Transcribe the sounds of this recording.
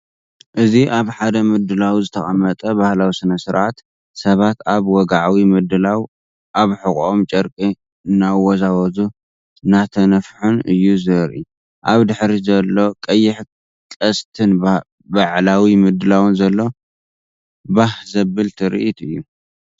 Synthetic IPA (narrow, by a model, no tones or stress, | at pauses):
ʔɨziʔaβħad̪ɐmɨd̪ɨlawzɨt̪ʰɐxʼɐmːɐt̪ʼɐbahlawisɨnɐsɨɾʕat̪ | sɐβat̪aβwɔɡaʕawimɨd̪ɨlaw | ʔaβħɨkʼomt͡ʃʼɐɾkʼi | nawːɔzawɐzu | nat̪ʰɐnɐfħunɨjːuzɨɾʔḭ | ʔaβd̪ɨħɾizɐlːo̞kʼɐjːɪħ | kʼɐst̪ʰɨn | baʕlawimɨd̪ɨlawɨnzɐlːo̞ | bahzɐbɨlt̪ʰɨɾḭʔit̪ʰɨjːu